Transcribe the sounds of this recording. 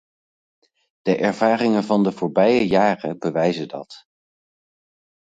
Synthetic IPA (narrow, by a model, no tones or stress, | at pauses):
d̥əʔɛɹvaːrɪŋənvɑndəvʊːɹbɛjəjaːrəbəʋɛjzədɑ̰t